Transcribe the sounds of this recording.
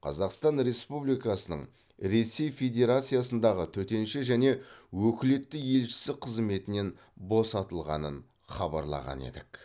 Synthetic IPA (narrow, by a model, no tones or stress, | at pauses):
qʰɑ̰zɑqst̪ɑnɾe̞spublijkɑsənə̰ɴ | ɾe̞sːe̞jfʲe̞d̪ʲe̞ɾat̪sijasənd̪ɑʁət̪ʰɵt̪e̞nʃɪʒæne̞wɵkʲɪle̞t̪ːɪje̞lʃɪ̥sɪqʰəzme̞t̪ɪne̞n | bo̞sɑt̪əlˠʁɑ̰nən | χɑbɑ̰ɾlˠɑ̰ʁɑ̰nḛd̪ɪk